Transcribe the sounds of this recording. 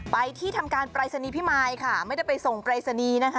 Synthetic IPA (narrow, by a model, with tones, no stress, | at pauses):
pa˧jt̪ʰiː˥˩t̪ʰa˧mkaː˧npɾaː˧jsa˧niː˧pʰi˦˥maː˧jkʰa˥˩ma˥˩jda˥˩jpa˧jso˨˩ŋpɾaː˧sa˧niː˧na˦˥kʰa˦˥